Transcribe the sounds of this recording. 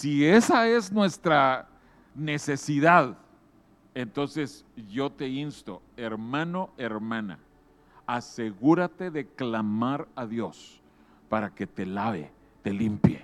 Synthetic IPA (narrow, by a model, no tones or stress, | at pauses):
sie̞sae̞znwe̞st̪ɾa | ne̞se̞siðað | e̞nt̪o̞nse̞s | ʝo̞t̪e̞inst̪o̞̰eɾmãno̞e̞ɾmãna̰ | ase̞ɣuɾat̪e̞ðe̞klamaɾaðjo̞s | paɾake̞t̪elaβḛ | t̪e̞limpjḛ